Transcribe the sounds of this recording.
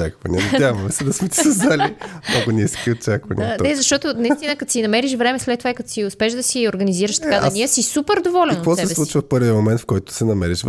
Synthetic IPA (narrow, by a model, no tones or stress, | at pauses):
akvɐnɛnɛd̪ʲavɐmɛsɛd̪ɐsmɛt̪i̥sɐzd̪alimnɔɡʊniskiott͡ʃakvɐnʲḭnɛzɐʃt̪ɔt̪onɐit̪inəkɐt̪osinɐmɛɾiʃvɾɛmɛslɛt̪ːovaikɐt̪o̥siʊspɛʒd̪ɐsioɾɡɐniziɾɐʃt̪ɐkad̪iəsisupɛɾd̪ovɔlʲɛnk̪vɔsɛsɛslˠut͡ʃvəfpɤɾvʲiəmomɛnt̪fkɔjt̪ʊ̥sɛnɐmɛɾiʃ